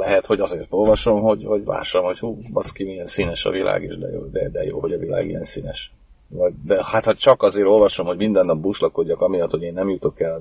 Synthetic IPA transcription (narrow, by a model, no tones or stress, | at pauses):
lɛɦɛt̪ho̞ɟɒzeːrt̪o̞lvɒʃo̞mɦo̞ɟvɒɟla̰ːʃɒmho̞chuːbɒskimijɛnsinɛʃɒ̰vilʔa̰ːɡiʒd̪ɛ̰jo̰ːd̪ɛd̪ɛ̰jo̰ːho̞ɟɒvila̰ːɡḭjɛ̰nsiːnɛʃ | vɒɟd̪ɛhat̪hot͡ʃɒkɒzeːɾo̞lvɒʃo̞mhoɟʲmind̪ɛnːɒp̚buːʃlɒko̞ɟːɒkɒmijɒt̪ho̞ɟeːnːɛmjut̪o̞kɛl